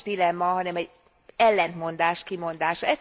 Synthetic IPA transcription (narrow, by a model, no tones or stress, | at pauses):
d̪ilɛmːɒɦɒnɛmɛɟ | ɛlːɛnt̪mo̞nd̪aːʃt̪kimo̞nd̪aːʃɒɛ